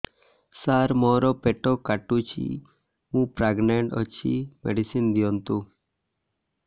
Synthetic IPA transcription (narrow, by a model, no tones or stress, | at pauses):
saɾmɔɾɔpeʈɔkaʈut͡ʃʰḭ | mũpɾaɡneɳʈɔt͡ʃʰḭmḛɖisind̪ijɔnt̪u